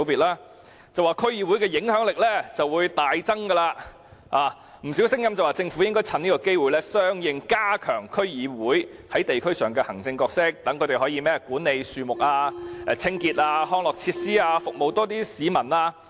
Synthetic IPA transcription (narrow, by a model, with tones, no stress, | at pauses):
piː˨t̚ʔaː˥ | t͡sɐ˨waː˨˩kʰɵ˥ɥjiː˨˧wu˨˥jkɛː˧jɪ˨˧˥ŋhœː˨˥ŋlɪ˨k̚lɛ˥t͡sɐ˨wːuː˨˧jt̪aː˨jt͡sɐ˥ŋkɐ˧laː˧ | aː˨˧ | m̩˨˩si˨˥wsɪ˥ŋjɐ˥mt͡sɐ˨waː˨t͡sɪ˧ŋfu˨˥jɪ˥ŋkɔː˥jt͡sʰɐ˨˧niː˥kɔː˧ke˥jwuː˨jlɛ˥sœː˥ŋjɪ˨˧ŋkaː˥kʰœː˨˩ŋkʰɵ˥ɥjiː˨˧wuː˨˥jhɐ˨˥jt̪e˨jkʰɵ˥ɥsœː˨˩ŋkɛː˧hɐ˨˩ŋt͡sɪ˧ŋkɔː˧k̚sɪ˥k̚t̪ɐ˨˥ŋkʰɵ˨˧t̪e˨˩ɦɔː˨˥jiː˧mɛː˥˨kuː˨˥nːe˨jsyː˨mʊ˨k̚aː˧ɛ˨t͡sʰɪ˥ŋkiː˧t̚aː˧hɔː˥ŋlɔː˨k̚t͡sʰiː˧t̚siː˥aː˧fʊ˨k̚mo˨wt̪ɔː˥t̪iː˥siː˨˥mɐ˨˩naː˧